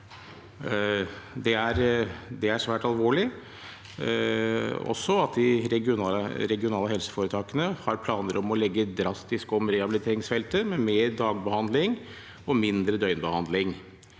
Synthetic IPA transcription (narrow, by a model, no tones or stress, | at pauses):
d̪ɛæɾd̪ɛæʂʋæːʈɑlʋoːɭɪ | ɔ̰sːɔɑt̪d̪ɪɾɛɡɪʊnɑəɾɛɡɪʊnɑːləɦɛlsə̥foːɾət̪ʰɑːkənəhɑɾpʰlɑːnəɾɔmɔlɛɡːəd̪ɾɑst̪ɪskɔmɾɛhɑbɪlɪt̪ʰeːɾɪŋsfɛlt̪əmɛmeːɾd̪ɑːɡ̚bəhɑnd̪lɪŋ | ɔmɪnd̪ɾəd̪œʏnbəhɑnd̪lɪŋ